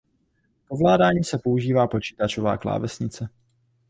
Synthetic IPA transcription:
ko̞vlaːdaːɲiːsɛpouʒiːvaːpo̞t͡ʃiːt̪at͡ʃova̰ːkla̰ːvɛsɲɪt͡sɛ

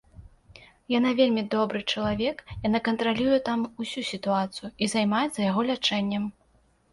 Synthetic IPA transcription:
janavʲelʲmʲid̪ɔbɾɨt͡ʂɐlˠavʲɛkjanakɐnt̪ɾalʲujɛt̪amusʲusʲit̪uat̪sɨjuizajmajɛt̪sɐjaɣɔlʲat͡ʂɛnʲːɐm

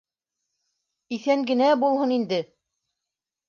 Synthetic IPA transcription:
iθæŋɡɘ̆næbulˠhɤnind̪ɘ

